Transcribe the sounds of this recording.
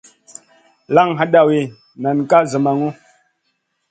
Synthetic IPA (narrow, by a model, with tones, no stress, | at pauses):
la˦ŋɦa˦ɗa˨we˨ | na˨nka˦zə˨ma˨ŋo˦